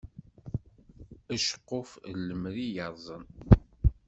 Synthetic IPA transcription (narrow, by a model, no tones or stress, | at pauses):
æʃə̥qːoflːəmɾijɑɾˤzˤən